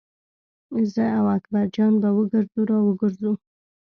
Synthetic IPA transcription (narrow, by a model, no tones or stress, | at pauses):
zəawakbaɾd͡ʒɑnbawəɡəɾzuɾɑwəɡəɾzu